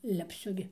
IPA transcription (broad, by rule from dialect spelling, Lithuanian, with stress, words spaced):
lʲɛpʲˈsʲʊ ɡʲɪ